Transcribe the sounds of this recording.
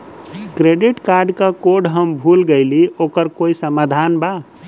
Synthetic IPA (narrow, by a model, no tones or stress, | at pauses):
kɾeɖɪʈkaːɾɖkakoɖɦəmbʱuːlɡəɪlioːkəɾkoːisəmad̪ʱanba